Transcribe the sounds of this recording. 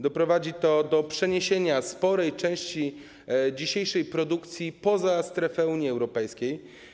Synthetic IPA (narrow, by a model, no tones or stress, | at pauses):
d̪ɔpɾɔvad͡ʑit̪ɔd̪ɔpʂɛɲeɕeɲaspɔɾɛjt͡ʂɛ̃w̃ɕt͡ɕi | d͡ʑiɕejʂɛjpɾɔd̪ukt̪sʲjipɔzast̪ɾɛfɛuɲjiɛwɾɔpɛjskʲej